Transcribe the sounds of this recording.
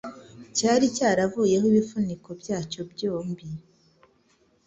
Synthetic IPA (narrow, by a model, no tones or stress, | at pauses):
caːɾicaːɾavuje̞ɦoiβifuniko̞bjaːco̞bɟoːmbi